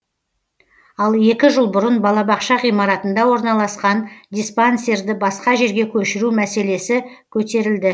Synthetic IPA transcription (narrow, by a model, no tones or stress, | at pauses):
ɑlˠe̞kʲɪʒəlˠbʊɾənbɑlˠɑbɑqʃɑʁijmɑɾɑt̪ənd̪ɑwo̞ɾnɑlˠɑsqɑnd̪ʲijspanse̞ɾd̪ɪbɑsqɑʒe̞ɾɡʲe̞kʲʰɵʃɪɾumæse̞le̞sɪ | kʲʰɵt̪e̞ɾɪld̪ɪ